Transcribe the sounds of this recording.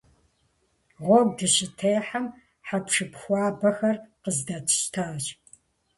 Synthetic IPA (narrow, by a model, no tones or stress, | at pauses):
ʁʷɔɡ̚ʷdɨɕɪtʰeːħam | ħapʂɨpʰxʷɑːbɐxɐrqəzdɐtʰɕtʰaːɕ